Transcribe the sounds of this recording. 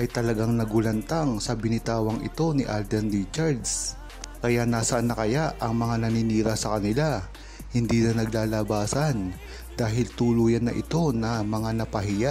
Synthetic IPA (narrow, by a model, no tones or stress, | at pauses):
ʔɐjt̪ɐlɐɡaŋnɐɡʊlɐnt̪aŋsɐbɪnɪt̪aːwɐŋʔɪ̰t̪o̞nɪʔald̪ɛnɾit͡ʃɐɾd̪s | kɐjanaːsɐʔnɐkɐjaʔʔɐŋmɐŋanɐniniːɾɐsɐkɐnɪla | hɪnd̪iːnɐnɐɡ̚laːlabaːsɐn | d̪̥aːɦɪlt̪uːluːjɐnːɐʔɪt̪o̞nɐmɐŋanɐpɐɦɪjaʔ